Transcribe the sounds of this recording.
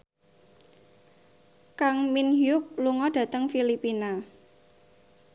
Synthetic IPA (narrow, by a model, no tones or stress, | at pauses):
kaŋminɦjʊk̚luŋɔd̥ä̤t̪əŋfilipina